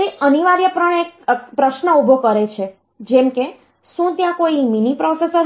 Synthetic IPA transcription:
ɾiʔəniʋaɾjəpɾəɳekpɾəʃnəubʱokəɾet͡ʃʰe | d͡ʒɛmke | ʃũt̪jãkoiminipɾɔsesə

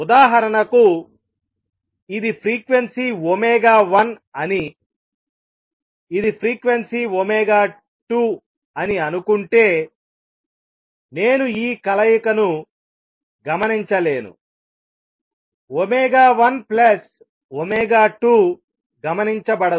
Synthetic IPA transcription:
ud̪aːɦɐɾɐnɐku | id̪ipʰɾiːkʋensiomɛːɡaːʋɐn | ɐni | id̪ipʰɾiːkʋensiomɛːɡaː | ʈuː | ɐniɐnukuɳʈe̞ː | ne̞ːnuiːkɐlɐjukɐnu | ɡɐmɐniɲt͡ʃɐle̞ːnṵ | omɛːɡaːʋɐnplɐs | omɛːɡaːʈuː | ɡɐmɐniɲt͡ʃɐbɐɽɐ

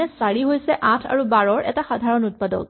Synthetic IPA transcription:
ɛsaɹiɦojsɛʔãtʰa̰ɹubaɹɔɹʔɛ̰taxadʱaɹɔnut̚padɔ̰k̚

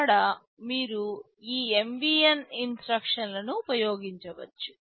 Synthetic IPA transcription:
ɽɐ | miːɾu | iːembiːeninsɾɐkʂɐnlɐnuːpɐjoːɡiɲt͡ʃɐʋɐ̰t͡ʃːu̥

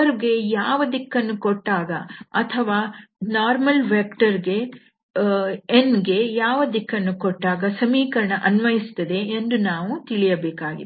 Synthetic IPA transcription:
ɐɾɡe̞jaːʋɐd̪ikːɐnːukoʈːaːɡɐɐt̪ʰɐʋaːnaːɾmɐlʋeːkʈɐɾɡe̞ | nɡe̞jaːʋɐd̪ikːɐnːukoʈːaːɡɐsɐmiːkɐɾɐɳɐʔɐnʋɐjist̪ːɐd̪e̞ːnd̪unaːʋut̪iɭijɐbeːkaːɡḭ

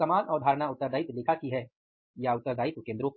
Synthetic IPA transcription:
ɐmaːnʔɔːɾd̪ʱaːɾnaʊt̪ːəɾd̪aːit̪lɪkʰakiɦɛ | jaʊt̪ːəɾd̪ʱaːɪt̪kẽːnd̪ɾo

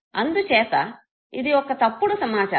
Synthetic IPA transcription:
ɐnd̪uʃeːt̪ɐ | id̪iɔkːɐt̪ɐpːuɽusɐmaːt͡ʃa̰ː

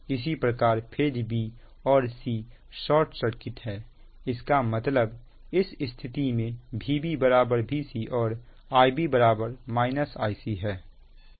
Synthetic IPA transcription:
ɪs̬ipɾəkaːɾpʰeːd͡ʒbʱiː | ɔːɾsiː | ʃɔːɾʈsəɾkɪt̪ɦɛː | ɪskamət̪ləb | ɪsɪst̪ʰɪt̪imẽbʱiːbibəɾaːbəɾbʱisiʔɔːɾ | aːjbʱibəɾaːbəɾmaːɪnəsaːisiɦɛː

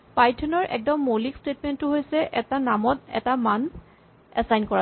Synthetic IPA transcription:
pajtʰɔnɔɹʔɛ̰k̚dɔmːolikstet̚mɛntːʊɦojsɛʔɛtanamɔtɛ̰taman | ɛsajnkɔa

